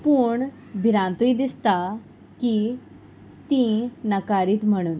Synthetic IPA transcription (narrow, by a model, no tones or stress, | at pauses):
puːɳ | bʱiɾãnt̪uid̪ist̪a | ki | t̪ĩnəkaɾiːt̪m̤əɽ̃uːn